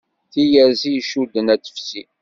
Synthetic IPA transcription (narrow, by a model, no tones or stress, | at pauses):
θijæziʃud̪ːənætə̥fsi